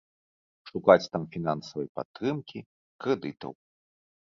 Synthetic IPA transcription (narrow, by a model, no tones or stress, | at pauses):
ʂukat͡sʲt̪amfʲinansɐvɐjpa̰t̪ːɾɨmkʲi | kɾɛd̪ɨt̪ɐ̰w